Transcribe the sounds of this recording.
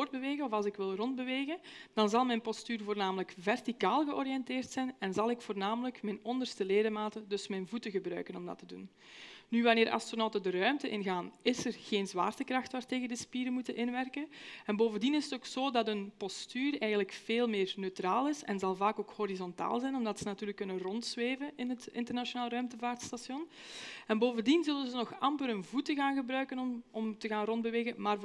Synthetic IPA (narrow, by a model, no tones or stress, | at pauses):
rd̚bəʋeːɣənɔfɑlˠzsɪkʋɪlˠrɔnd̚bəʋeːɣənd̥ɑnzɑlˠmɛjnpɔstyːrvoːrnaːmələkvɛrtikaːlˠɣəʔɔɾijɛnteːrtsɛjnɛnzɑlˠɪkfoːrnaːmələkmɛjnɔndərstəleːdəmaːtədɵsmɛjnvutəɣəbrœ̰ɥkənɔmdɑ̰tədṵnː | yʋɑneːɾʔɑ̰stronɔwtədərœɥmtəʔɪnɣaːnɪsərɣeːnzʋa̰ːrtəkrɑxtʋaːrteːɣəndəspiːɾəmutənʔɪnʋɛrkənɛnboːvəndinɪzətoːksoːdɑtənpɔstyːrɛːjɣənləkfeːlˠmɪːrnøɥtraːlˠɪsɛ̰nzɑlˠvaːkoːkhɔɾizɔnta̰ːlˠzɛjnɔmdɑtsənatyːrləkːɵnənrɔntsʋeːvənɪnɦətɪ̰ntərnaʃjonaːlˠrœɥmtəvaːrtstasjɔnɛnboːvəndinzɵlənzənɔxɑmpəɾənvutəɣaːnɣəbɾœɥkənɔmɔmtəɣaːnrɔnd̚bəʋeːɣənmaːr